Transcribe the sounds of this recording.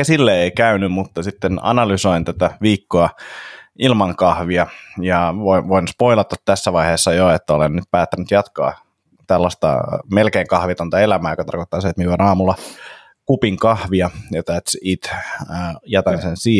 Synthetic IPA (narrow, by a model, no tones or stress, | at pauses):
æsilːeeikæynymmut̪ːɑsit̪ːenɑ̰nɑlysoint̪æt̪æʋiːkːoɑ | ilmɑŋkɑhʋiɑjɑʋoiʋoinspo̞ilɑt̪ɑt̪t̪ːæsːæʋɑiheːsːɑjoet̪ːæolennyt̪̚pæːt̪ːænyt̪jɑt̪kɑ̰ː | t̪ælːɑst̪ɑ̰melkeːŋkɑhʋit̪ont̪ɑelæmæːjokɑt̪ɑrkot̪ːɑːseet̪mionɑːmulːɑ | kupiŋkɑhʋiɑjɑt̪æt̪sit̪ː | jɑt̪ɑnsensiː